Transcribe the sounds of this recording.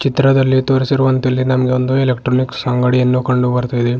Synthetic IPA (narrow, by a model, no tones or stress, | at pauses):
t͡ʃit̪ɾɐd̪ɐlːit̪oːɾisiɾuʋɐnt̪iɐlːinɐmɐɡeond̪uelekʈɾoːniksɐŋɡɐɽienːukɐɳɖubɐɾt̪ajd̪e